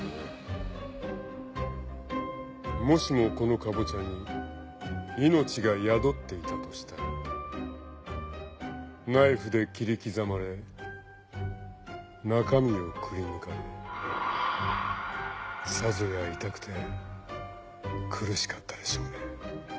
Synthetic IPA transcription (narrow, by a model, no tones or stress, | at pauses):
mo̞ɕimo̞ko̞no̞kabot͡ɕaɲ̟i | ino̞t͡ɕiɡajad̪o̞t̪ːe̞it̪at̪o̞ɕi̥t̪ai | naiɸɯd̪e̞kʲiɾʲikʲizamaɾe̞ | nakamʲio̞kʰɯ̟ɾʲinɯ̟kaɾe | sazojait̪akɯ̟̥t̪ʰe̞ | kʰɯ̟ɾɯ̟ɕi̥kḁt̪ːad̪e̞ɕo̞ːne